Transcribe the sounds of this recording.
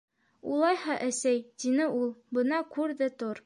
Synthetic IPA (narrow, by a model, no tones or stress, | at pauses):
ṵlˠɑjhɑʔæsæjt̪inɘulˠbɤ̆nɑkʉɾðɘt̪oɾ